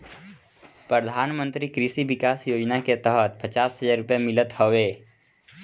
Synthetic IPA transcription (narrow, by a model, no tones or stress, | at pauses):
pɾəd̪ʱaːnmə̃nt̪ɾikɾɪsiʋɪkaːsjoːd͡ʒnaket̪əɦət̪pət͡ʃaːsɦəzaːɾʊpjemɪlət̪hoʋeː